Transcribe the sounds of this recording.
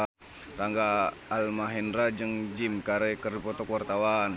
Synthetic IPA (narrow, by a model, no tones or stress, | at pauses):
raŋɡaːlmaɦɛnɾad͡ʒəŋd͡ʒimkaɾɛkəripɔt̪ɔkuwart̪awan